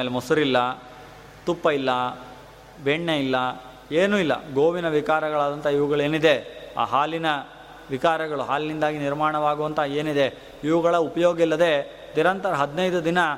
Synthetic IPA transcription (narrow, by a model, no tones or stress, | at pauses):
eːlemɔsuɾilːɐ | t̪upːɐilːɐ | beɳːɐilːɐ | eːnuːilːɐ̰ɡoːʋinɐʋit͡ʃaːɾɐɡɐɭaːd̪ɐnt̪ɐiʋuɡɐɭe̞ːnid̪e̞a̰ːɦaːlinɐ | ʋit͡ʃaːɾɐɡɐɭuɦaːlinind̪aːɡiniɾmaːɳɐʋaːɡuʋɐnt̪ɐe̞ːnid̪e̞ | iʋɐɡɐɭɐupɐjoːɡilːɐd̪e̞ | niɾɐnt̪ɐɾɐɦɐd̪nɐjd̪ud̪inɐ